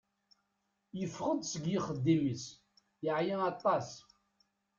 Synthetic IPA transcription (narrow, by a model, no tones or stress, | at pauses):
jəfːʁəd̪ˤsəɡjɪχəd̪ːiməs | jəʕjæɑt̪ˤːɑs